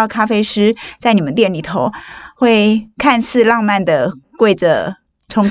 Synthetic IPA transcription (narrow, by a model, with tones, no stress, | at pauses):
ɑ˥˩ʊkʰa˥fe˥ɪʂɻ̩˥t͡sa˥˩ɪni˨˩mə˦nt̪jɛ˥˩nli˨˩t̪ʰo˧˦ʊxwe˥˧ɪkʰa˥˧nsʰɹ̩˥˧lɑ˥˧ŋma˥˩nd̪ə˩kwe˥ɪʈ͡ʂə˩ | ʈ͡ʂʰʊ˧˥ŋ